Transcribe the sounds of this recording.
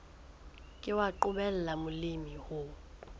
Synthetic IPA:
kʼɪwaǃʊbɛl̩lamʊlimihʊ

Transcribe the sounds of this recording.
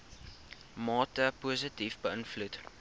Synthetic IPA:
mɑːtəpuːs̬ətifbəənflut

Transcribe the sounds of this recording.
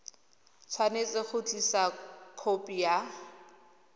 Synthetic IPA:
t͡sʰwanet͡sɪk͡xʊt͡ɬisakʰopʼija

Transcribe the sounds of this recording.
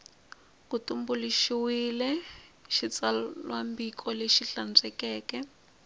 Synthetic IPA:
kutumbuliʃiwilɛʃit͡sallwambikʰʼɔleʃiɬand͡zɛkɛːkɛ

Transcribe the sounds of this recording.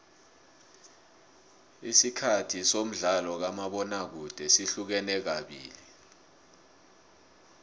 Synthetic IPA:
isikʰatʰisom̩ɮalɔk̬amaɓɔnak̬ud̥ʱɛsiɬuk̬ɛnɛk̬aɓḭːli

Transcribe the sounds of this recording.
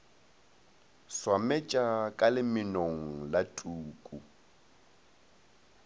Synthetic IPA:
swamɛt͡ʃʼakʼalɪmɪnoŋ̩latʼuːkʼu

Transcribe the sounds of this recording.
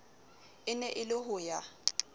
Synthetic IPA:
ɪnɛʔɪlɪhʊja

